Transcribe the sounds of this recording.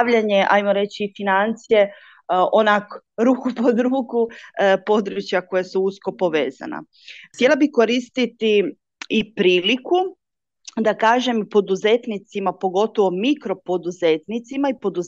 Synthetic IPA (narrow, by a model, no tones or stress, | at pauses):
ʋʎaɲeʔa̰jmo̞ɾe̞t͡ɕiːfinant̪sije | onak | ɾuːkupod̪ɾuːkupo̞d̪ɾut͡ɕjako̞jasuusko̞po̞ʋeːza̰na̰ | t̪ʲje̞labiko̞ɾist̪it̪i | ipɾiːliku | d̪akaːʒe̞mipo̞d̪uzet̪nit̪simapo̞ɡo̞t̪oʋo̞mikɾo̞po̞d̪uzet̪nit̪simaipo̞d̪uz